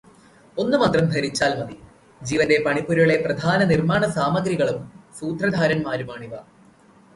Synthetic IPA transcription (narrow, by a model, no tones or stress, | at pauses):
o̞nːumɐt̪rɐmd̪ʱɐɾit͡ɕːaːlmɐd̪i | d͡ʑiːʋɐnde̞pɐɳipːuɾɭe̞prɐd̪ʱaːnɐnirmaːɳɐsaːmɐɡɾiɣɐɭumsuːt̪rɐd̪ʱaːɾɐnmaːɾumaːɳiʋɐ